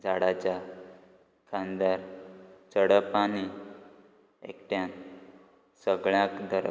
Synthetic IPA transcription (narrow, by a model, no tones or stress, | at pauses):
d͡zʱaɽat͡ɕa | kʰãnd̪aɾt͡səɽəpani | ḛkʈjãn | səɡɭjãkd̪əɾ